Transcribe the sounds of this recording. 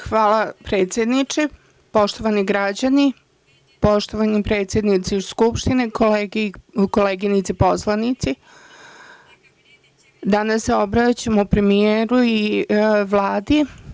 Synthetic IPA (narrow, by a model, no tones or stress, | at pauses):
xʋaːlapɾe̞ːt̪sʲjed̪nit͡ʃe | po̞ʃt̪o̞ʋaniɡɾad͡ʑani | po̞ʃt̪oʋanipɾe̞ːt̪sʲjed̪nit̪siskupʃt̪inekoleɡekoleːɡinit̪sipo̞slˠanit̪si | d̪anasːeo̞bɾat͡ɕamoupɾe̞mijeːɾuiʋlˠaːd̪i